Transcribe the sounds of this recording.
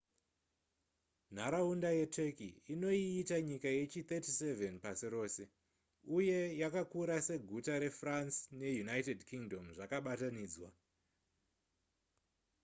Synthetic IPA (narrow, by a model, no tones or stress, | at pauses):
n̤aɾaundaje̞te̞kiino̞iːtaɲikaje̞t͡ʃit̪etise̞venpasiɾo̞ːse̞ | uje̞jakakuɾase̞ɡʱutaɾe̞fransne̞junajtedkiŋdo̞mʐakaɓataniːd͡zwa